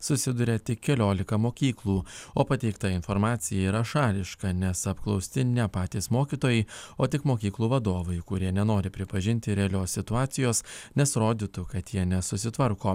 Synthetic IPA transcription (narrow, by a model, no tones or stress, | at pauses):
sʊsʲɪd̪ʊɾʲɛt̪ʲɪkʲkʲɛlʲoːlʲɪkɐmoːkʲiːklˠuːoːpɐt̪ʲɛɪkt̪ɐɪnfɔɾmɑːt̪sʲɪjɛiːɾɐʃɑːlʲɪʃkɐnʲɛsɐpklˠɒʊsʲt̪ʲɪnʲɛpɑːt̪ʲiːsmoːkʲiːt̪oːjɛɪoːt̪ʲɪkmoːkʲiːklˠuːʋɐd̪oːʋɐɪkʊɾʲiɛnʲɛnoːɾʲɪpʲɾʲɪpɐʒʲɪnʲt̪ʲɪɾʲɛɐlʲoːsʲsʲɪt̪ʊɑːt̪sʲɪjoːsnʲɛsɾoːd̪ʲiːt̪ʊkɐt̪jiɛnʲɛsʊsʲɪt̪ʋɐɾkoː